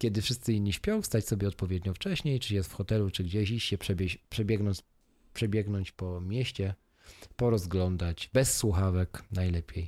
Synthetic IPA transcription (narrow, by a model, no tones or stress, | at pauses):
kʲɛd̪ɘfʂɘst̪sɘiɲʲːiɕpʲjɔ̃w̃fst̪at͡ɕsɔbʲjɛɔt̪̚pɔvʲjɛd̪ɲɔft͡ʂɛɕɲejt͡ʂɘjɛst̪fxɔt̪ɛlut͡ʂɘɡd͡ʑeɕiɕːɛpʂɛbʲjɛɕpʂɛbʲjɛɡnɔn | pʂɛbʲjɛɡnɔɲt͡ɕpɔmʲjɛɕt͡ɕɛ | pɔɾɔzɡlɔnd̪at͡ɕbɛsːwuxavɛknajlɛpʲjej